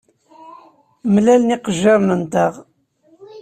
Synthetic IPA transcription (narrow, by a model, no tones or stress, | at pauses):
mlælniqəʒːaɾnənt̪ɑʁ